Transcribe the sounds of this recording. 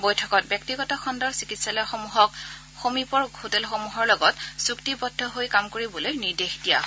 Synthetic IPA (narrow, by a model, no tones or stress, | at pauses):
bojtʰɔkɔt̚bjɔk̚tiɡɔtɔxʰɔndɔɹsikitsalɔxɔmuɦɔk | xomipɔɹhotɛlxomuɦɔɹlɔɡɔtsuktibɔdʱːɔɦojkamkoɹibolojniɹdexdija̰